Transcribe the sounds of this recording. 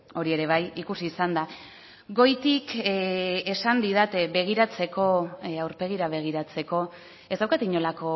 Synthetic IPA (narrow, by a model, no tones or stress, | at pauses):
o̞ɾie̞ɾe̞β̞ajikusiːsand̪a | ɡo̞jt̪ik | esand̪iðat̪e̞be̞ɣ̞iɾat͡se̞ko̞awɾpe̞ɣ̞iɾaβ̞e̞ɣ̞iɾat͡se̞ko̞ | e̞zd̪awkat̪iɲo̞lako̞